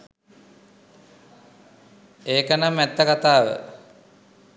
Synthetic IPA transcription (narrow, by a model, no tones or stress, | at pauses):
eːkənamːɛt̪ːəkat̪aːʋə̰